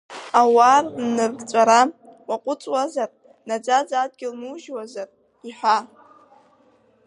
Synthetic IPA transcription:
awarnɨrɡt͡sʷʼaɾa | waqʷʼʊt͡sʼwazar | nad͡zad͡zad̚ɡʲɪlmuʒwazar | iħʷa

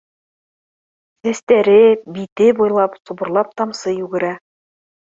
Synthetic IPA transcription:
sæst̪æɾɘbit̪ɘbujlˠɑpsubɤ̆ɾlˠɑp̚t̪ɑmsɤjʉɡɘ̆ɾæ

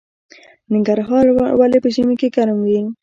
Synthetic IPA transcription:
nɪŋɡaɾɦɑɾwalepəʒimekeɡaɾmwi

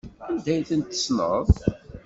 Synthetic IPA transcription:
ænd̪æjθənt̪ːə̥snə̰ðˤ

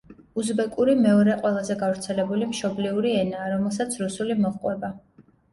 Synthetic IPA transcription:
uzbɛkʼuɾimɛɔɾɛqʼwɛlˠazɛɡavɾt̪sʰɛlɛbulimʃɔbliuɾiɛnaːɾɔmɛlˠsat̪sʰɾusulimɔʁqʼwɛba

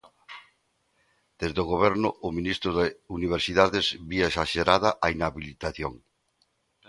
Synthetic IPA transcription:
d̪̥ezðoɣoβɛɾnʊʔːminist̪ɾʊðɪuniβ̞eɾsiðaðezβiesaʃeɾaðaʔainaβilit̪aθjoŋ

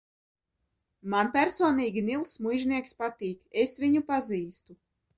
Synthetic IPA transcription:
manpʲæɾsɔːniːɡʲinilˠsmujʒnʲiɛkspat̪iːkesvʲiɲupaziːst̪u

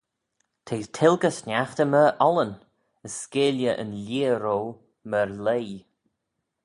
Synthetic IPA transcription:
t̪ʰeːt̪ʰɪlɡəsnʲaxt̪əməʔɔlən | əskeːljəʔə̰nlʲiːɾoː | məɹlej

